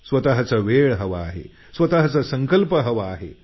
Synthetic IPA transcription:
sʋət̪aɦət͡saʋeɭɦəʋaːɦḛ | sʋət̪aɦət͡sasəŋkəlpəɦəʋaːɦḛ

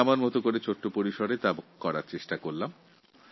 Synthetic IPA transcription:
amaɾmɔt̪okoɾet͡ɕʰoʈːopoɾiʃoɾet̪abokkɔɾaɾt͡ɕeʃʈakoɾlam

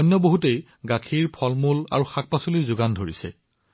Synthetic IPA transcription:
ɔjnːɔboɦutej | ɡakʰiɹpʰɔlmula̰ɹuxak̚pasolizʊɡandʱoɹḭsɛ̰

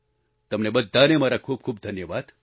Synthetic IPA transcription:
t̪ɐmnebəd̪ʱːaːnemaɾakʰuːb̚kʰuːbd̪ʱɐnjəʋaːd̪̥

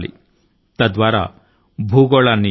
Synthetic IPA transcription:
lḭ | t̪ɐd̪ʋaːɾa̰ | bʱuːɡɔɭanːi

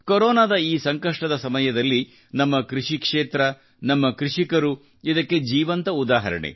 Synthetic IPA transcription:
koɾoːnaːd̪ɐiːsɐŋkɐʂʈɐd̪ɐsɐmɐjɐd̪ɐlːi | nɐmːɐkɾiʂikʂeːt̪ɾɐ | nɐmːɐkɾiʂikɐɾu | id̪ɐkːe̞d͡ʒiːʋɐnt̪ɐud̪aːɦɐ̰ɾɐ̰ɳḛ

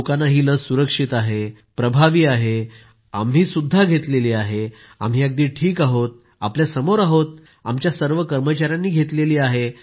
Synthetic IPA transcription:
kanːaɦiːləsuɾəkʂit̪aɦe | pɾəbʱaʋiːaɦe | amɦiːsud̪ʱːaɡʱet̪leliːaɦe | a̰m̤ɦiːaɡ̚d̪iːʈʰiːkaɦot̪̚ | a̰pljasəmoɾaɦot̪̚ | a̰mt͡ɕjasəɾʋəkəɾmət͡ɕaɾjanːiːɡʱet̪leliːaɦe

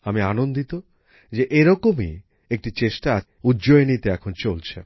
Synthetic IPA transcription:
amianond̪it̪o | d͡ʑeʔeɾɔkomi | ek̚ʈit͡ɕeʃʈaa | udd͡ʑoenit̪eɛkʰont͡ɕolt͡ɕʰḛ

